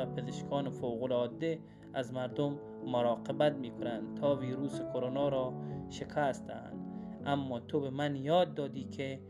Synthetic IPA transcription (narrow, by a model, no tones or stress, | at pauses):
apʰezeʃkʰɔːnɪfowɣʊlɔːd̪e | azmaɾd̪ʊmː | ʊɾɑːqɪbat̪̚miːkʰʊnand̪t̪ʰɒːviːɾuːsɪkʰoɾonɒːɾɔːʃɪkʰast̪ʰa̰nd̪ | amːɔːt̪ʰobemanjɒːd̪ːɒːd̪iːkʰe